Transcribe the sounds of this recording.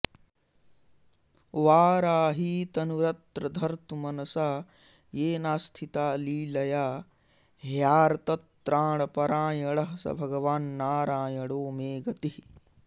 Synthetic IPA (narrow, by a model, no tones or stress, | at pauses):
ʋaːɾaːɦit̪ɐnuɾɐt̪ɾɐd̪ʱɐɾt̪umɐnɐsaː | jeːnaːst̪ʰit̪aːliːlɐjaː | ɦjaːɾɐt̪ɐt̪ɾaːɳ̃ɐpɐɾaːjɐɽɐɦɐsɐ̰bʱɐɡɐʋaːnːaːɾaːjɐɽoːmeːɡɐt̪ih